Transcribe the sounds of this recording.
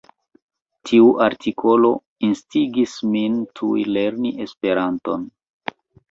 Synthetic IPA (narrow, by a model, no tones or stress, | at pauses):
tʰiuʔaɾtʰikʰo̞lo̞̰ | instiɡismintʰujle̞ɾniʔe̞spe̞ɾanto̞n